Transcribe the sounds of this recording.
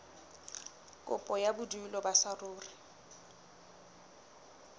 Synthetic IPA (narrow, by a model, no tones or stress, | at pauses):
kʼʊ̰pʼɔjabʊdulɔbasarʊːri